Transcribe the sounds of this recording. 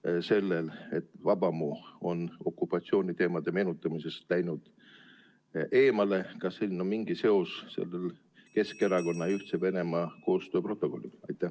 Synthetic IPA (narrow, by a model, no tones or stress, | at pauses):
se̞lːe̞le̞t̪ːˑvɑb̥ɑmoːo̞no̞kːˑupːɑt̪sio̞ːnʲit̪e̞ːmɑd̪̥e̞me̞ːnut̪ːˑɑmise̞slæjnud̪̥ | ʔe̞ːmɑle̞kɑselnomiŋɡ̥ise̞o̞sse̞̰lːel | ke̞ske̞ɾɑko̞nːɑyht̪seve̞ne̞mɑko̞ːst̪ø̞ːpro̞t̪ːˑo̞ko̞lːḭlɑ̰jt̪ːˑæ